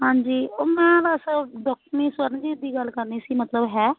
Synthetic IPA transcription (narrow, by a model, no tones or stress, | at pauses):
ɦãːɲd͡ʒiːoːmɛ̃ːlasəɖɔːk̚ʈmĩːswəɾnd͡ʒiːd̪iːɡəlkəɾniːsiːmət̪ləbɦɛː